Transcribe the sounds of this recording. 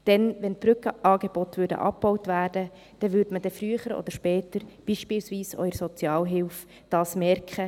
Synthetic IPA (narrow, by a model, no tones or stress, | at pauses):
d̥ɛnʋɛnb̥ɾʏkʔɑːɡeb̥ɔtʋʏɾdə̰ʔɑ̰pb̥ɔwtʋæːrd̥ə | d̥ɛʋʏɾdməd̥ɛfɾyəχəɾɔ̰d̥̪əʃpɛːtəɾb̥iːʃpɪlsʋiːsœ̰jəsɔt͡sjɑːlɦɪlf | d̥ɑːsmɛrkχə